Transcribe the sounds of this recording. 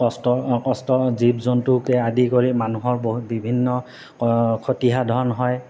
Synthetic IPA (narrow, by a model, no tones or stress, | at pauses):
ɔstɔkɔstɔzibzɔntʊkɛadikoɹimanuɦɔɹboɦbibʱinːɔ | kʰotiɦadʱɔɹɔnɦɔj